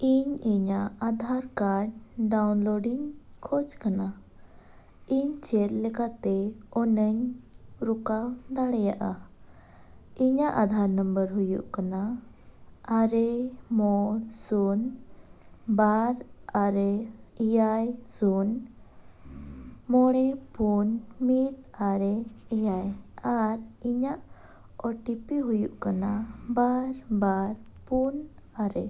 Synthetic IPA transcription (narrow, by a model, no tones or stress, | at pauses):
iɲiɲaad̪ʱaɾkaɾɖɖawnloɖiɲkʰɔt͡ʃkana | iɲt͡ʃɛɾlɛkat̪ɛɔnəɲɾukawd̪aɽɛjaʔa | iɲaʔad̪ʱaɾnəmbəɾɦujṵʔkana | aɾɛmɔɽsun | baɾaɾɛijajsun | mɔɽɛpunmit̪aɾɛɛjajaɾiɲaʔ | ɔʈipiɦujuʔkanabaɾbaɾ | pun | aɾɛ